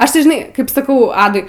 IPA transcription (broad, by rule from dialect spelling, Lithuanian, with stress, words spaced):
ˈɐʃ tɐɪ ʒʲɪˈnɐɪ kɐɪp sɐˈkɐʊ ˈɑːdʊɪ